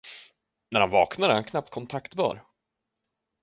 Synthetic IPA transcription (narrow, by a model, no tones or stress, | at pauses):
næɾhanvɑːknaɾəhankʰnap̚t̪kʰɔnt̪ʰakt̪bœ̰ːɾ